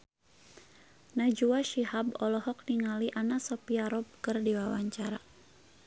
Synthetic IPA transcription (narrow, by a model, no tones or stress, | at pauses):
nad͡ʒuaʃihabɔlɔhɔk̚niŋaliʔanasɔpiaɾɔb̚kɨrdiwawaɲt͡ʃaɾa